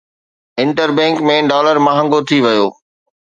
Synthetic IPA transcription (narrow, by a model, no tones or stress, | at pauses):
ɪ̃ɳʈəɾbɛ̃ːŋkmẽɖaːləɾmaɦə̃ŋɡot̪ʰiʋɐjoː